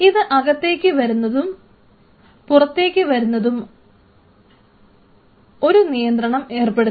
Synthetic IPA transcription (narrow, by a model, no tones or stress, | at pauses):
iðɨʔɐɣɐt̪ːe̞ːkʲːɨʋɐɾunːɐðum | purɐt̪ːe̞ːkʲːɨʋɐɾunːɐðum | o̞ɾunijɐnd̪ɾɐɳɐme̞ːrpeɽu